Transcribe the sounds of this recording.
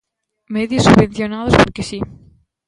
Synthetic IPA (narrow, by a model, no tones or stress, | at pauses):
meðjosːuββẽn̟θjonað̞ospoɾkesi